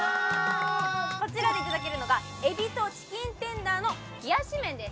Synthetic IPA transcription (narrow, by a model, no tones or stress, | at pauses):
ko̞t͡ɕiɾad̪e̞it̪azak̬eɾɯ̟no̞ɡa | e̞bʲit̪o̞ɕi̥kʲĩnt̪ẽ̞nd̪aːno̞ | ɡ̥ʲiaɕimẽ̞nd̪es